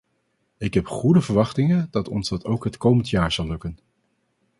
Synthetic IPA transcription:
ɪkɦɛpχudəvəɹʋɑχtɪŋəndɑtɔ̰nzdɑtowkɦətkowməntjaːɹz̥ɑlˠːɵkən

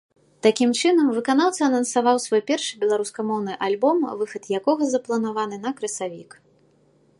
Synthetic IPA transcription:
t̪akʲimt͡ʂɨnɐmvɨkanaw̪t̪sɐːnɐnsavawsvɔjpʲɛrʂɨbʲɛlˠaɾuskɐmɔwnɨʔalʲbɔmvɨxɐt̪jakɔɣɐzɐplˠɐnavanɨnɐkɾɨsavʲik

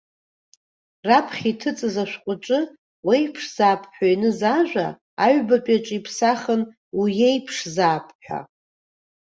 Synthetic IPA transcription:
rapʰχʲitʰɨt͡sʼɨzaʃʷᶣqʷʼʊʈ͡ʂʼɨ | wejpʰʂz̥aːpʰħʷᶣainɨzaʒᶣʷa̰ | aɥbapʼaʈ͡ʂʼipʰsaχən | wijejpʰʂzaːpʰħʷᶣa̰

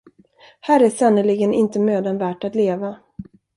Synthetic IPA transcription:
hæːɾæʂanːəɭɪɡənɪnt̪əmøːd̪ənvæːʈat̪leːva

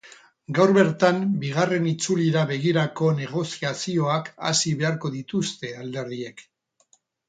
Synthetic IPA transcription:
ɡawɾβe̞ɾt̪ambiɣ̞are̞nit͡suliɾaβe̞ɣ̞iɾako̞ne̞ɣ̞o̞siasio̞aka̰siβe̞aɾko̞ðit̪ust̪e̞ald̪e̞ɾðie̞k

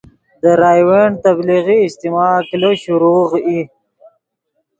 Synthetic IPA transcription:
d̪əɾɑːjweɳt̪abliɣiːst̪imɑkloɕuɾoːʁi

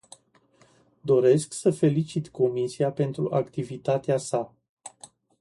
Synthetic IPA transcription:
d̪o̞ɾe̞sksəfe̞lit͡ʃit̪ko̞misiape̞nt̪ɾuʔakt̪ivit̪at̪easa

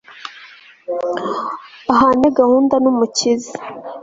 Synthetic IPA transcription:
aɦaːneɡahuːndanumucizi

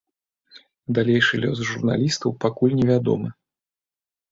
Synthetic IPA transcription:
d̪alʲejʂɨlʲɔsʐurna̰lʲist̪ɐwpakulʲnʲɛvʲad̪ɔ̰mɨ

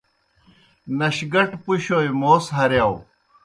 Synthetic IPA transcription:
nɐɕɡɐʈpuɕoːjmoːsɦɐɾjaːw

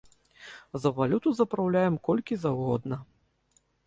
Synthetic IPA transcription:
zɐvalʲut̪uzɐpɾawlʲajɛmkɔlʲkʲizawɣɔd̪nɐ

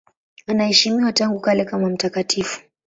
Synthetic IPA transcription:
anahɛʃimiwataŋɡukalɛkamam̩takatʰifu̥

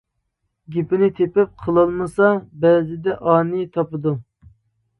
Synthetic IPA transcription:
ɡʲipɪnɪt̪ʰepɪp̚qʰəlˠɑlˠmɨsɑbɛːzɪd̪ɛʔɑːnɨt̪ʰɑpɨd̪u

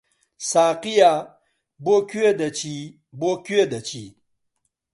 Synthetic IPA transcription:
saːqija | bokwed̪ɐt͡ɕi | bokued̪ɐt͡ɕʰḭ

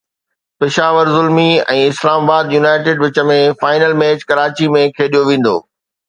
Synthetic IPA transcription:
pɪʃaːʋəɾzʊlmiɛ̃ːɪslaːmaːbaːd̪junaːɪʈɪːɖʋɪt͡ɕə̆mẽfaːɪnəlmeːt͡ɕkɐɾaːt͡ɕimẽkʰeːɗijoʋẽːn̆d̪o̰ː

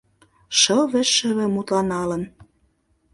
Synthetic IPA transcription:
ʃɤ̆lβɘ̆ʃːɘ̆βɘ̆mut̪lɑnɑlə̆n

